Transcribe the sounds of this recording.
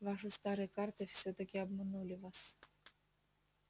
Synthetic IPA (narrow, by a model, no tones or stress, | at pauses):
vɑʂɨst̪ɑɾɨkɑrt̪ɨfʲsʲɔt̪ɐkʲɪɐbmɨnulʲɪvas